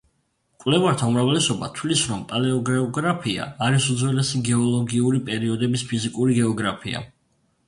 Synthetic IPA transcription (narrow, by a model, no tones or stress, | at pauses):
kʼwlɛvaɾt̪ʰaumɾavlɛsɔba̰t̪ʰwlisɾɔmpʼalɛɔɡɾɛɔɡɾapʰia̰ːɾisud̪zwɛlɛsiɡɛɔlˠɔɡiuɾipʼɛɾiɔd̪ɛbispʰizikʼuɾiɡɛɔɡɾapʰia̰